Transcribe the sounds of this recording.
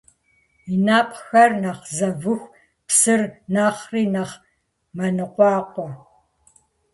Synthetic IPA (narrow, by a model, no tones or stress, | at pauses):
inaːpxɐrnaχzɐvɨxʷ | psɨrnaːχriːnɐχ | mɐnɨqʷɑːqʷɔ